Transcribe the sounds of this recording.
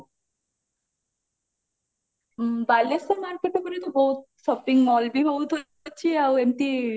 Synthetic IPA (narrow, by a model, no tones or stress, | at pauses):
bajlesaɾmaɾkeʈekoɾet̪oboɦut̪̚ | ʃɔpiŋmɔlbibʱabut̪ɦo | tːɕʰiawemʈi